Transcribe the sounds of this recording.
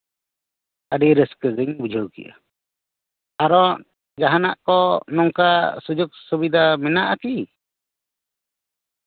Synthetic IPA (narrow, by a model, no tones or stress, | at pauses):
aɖiɾəskəd͡ʒəɲbud͡ʒʱəwkḭʔa̰ | aɾɔʔ | d͡ʒaɦanaʔkɔnɔŋkasud͡ʒɔk̚subid̪amɛnaʔak̪i